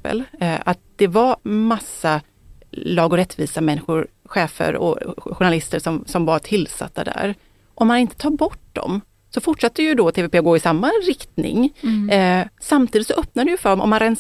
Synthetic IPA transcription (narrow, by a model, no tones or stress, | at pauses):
ə̰lat̪̚d̪̥ɛvaɾmasːa | lɑːɡɔɾɛt̪ːviːsamɛnːɪɧʊɾɧɛːfə̰ɾɔ̰ɧʊɳalɪst̪əɾʂɔmsɔmvaʈʰɪlːsa̰t̪ːa̰d̪æ̰ɾ | ʔɔmːanɪnt̪ə̥t̪ʰɑːɾbɔʈːd̪ɔ̰m | sɔfʊʈʂat̪ːəjɵd̪ɔt̪ʰeːveːpʰeːɔɡoːɪsamːaɾɪkt̪nɪ̰ŋ | samt̪ʰiːd̪ɪt̪sɔʔœp̚nad̪ɛjɵfœːɖɔmɔ̰mːanɾɛns